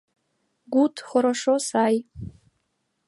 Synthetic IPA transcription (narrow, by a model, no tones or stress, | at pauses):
ɡʷutʰχʷʊɾaʂosaj